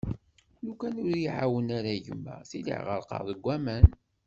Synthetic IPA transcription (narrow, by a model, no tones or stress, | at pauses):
nukænʊɾjiʕawənaɾæʝə̰mːæ̰θilḭʕʁə̰ɾˤqɑ̰ʁðˤəɡʷːæmæn